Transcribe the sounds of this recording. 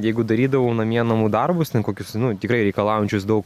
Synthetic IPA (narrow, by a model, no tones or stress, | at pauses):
jɛɪɡʊd̪ɐɾʲiːd̪ɐʋoʊnɐmʲiɛnɐmʊd̪ɐrbʊst̪ʲɛnkoːkʲʊsnʊt̪ʲɪkɾɐɪɾʲɛɪkɐlˠɑːʋjʊnʲt͡ʃʲʊsd̪ɐʊk